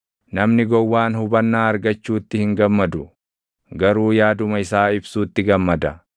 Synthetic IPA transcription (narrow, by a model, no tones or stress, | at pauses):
nɐmnɪɡɔwːaːnhʊbɐnːaːɐɾɡɐt͡ʃːuːt̪ːɪhɪŋɡɐmːɐd̪ʊ | ɡɐɾuːjaːd̪ʊmɐɪsaːɪbsuːt̪ːɪɡɐmːɐd̪ɐ